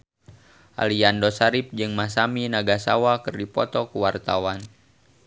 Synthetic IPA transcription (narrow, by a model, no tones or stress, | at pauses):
ʔa̰liandɔsaɾip̚d͡ʒɨŋmasaminaɡasawakɨrdipɔt̪ɔkuwart̪awan